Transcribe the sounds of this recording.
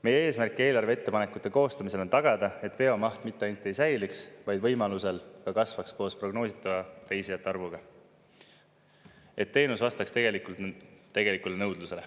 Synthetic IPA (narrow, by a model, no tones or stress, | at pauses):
me̞jee̞ːsmærkːˑie̞ːlɑrve̞e̞t̪ːe̞pɑnekːˑut̪ːˑe̞ko̞ːst̪ɑmis̬e̞lo̞nt̪ɑɡ̥ɑd̪̥ɑe̞t̪ːˑve̞o̞mɑht̪mit̪ːˑe̞ɑjnt̪ːˑejsæjliksvɑjd̪vɤ̞jmɑluse̞lkɑkɑsvɑkspo̞ːspro̞ɡno̞ːsit̪ːˑɑvɑɾe̞jsiɑt̪ːɑrvuɡ̥ɑ | e̞t̪ːe̞ːnusvɑst̪ɑkst̪e̞ɡ̥e̞likult̪t̪ːe̞ɡe̞likulenɤwd̪̥luse̞le